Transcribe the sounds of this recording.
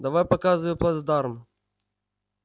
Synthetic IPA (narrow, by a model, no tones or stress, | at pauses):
d̪ɐvajpɐkazɨjʊplˠad̪zd̪aɾm